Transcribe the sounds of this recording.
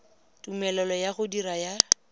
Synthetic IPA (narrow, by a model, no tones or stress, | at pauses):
tumɛlɔlɔjaɣʊdiɾaja